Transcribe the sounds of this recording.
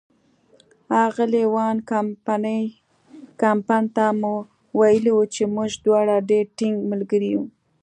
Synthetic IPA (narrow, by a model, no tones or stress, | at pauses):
ɑɣəlewɑnkaanə | kampɑnt̪amu | wajəliwut͡ʃemuʒd̪wɑɽaɖeɾʈɪŋɡməlɡəɾiju